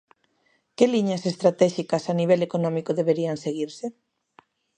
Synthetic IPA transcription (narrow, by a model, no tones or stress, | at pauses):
keliɲasest̪ɾat̪ɛʃikasaniβ̞ɛlekonɔ̃mikoðeβeɾianseɣ̞iɾse